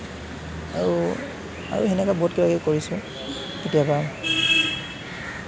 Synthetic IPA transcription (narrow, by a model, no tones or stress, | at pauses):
aɹu | a̰ɹṵɦenɛkabɔtkibakɛkoɹisʊ̃ | tetijabam